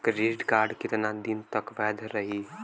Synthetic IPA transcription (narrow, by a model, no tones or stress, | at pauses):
kɾeːɖkaːɾɖkɪt̪nad̪int̪əkʋɛːd̪ʱɾəɦi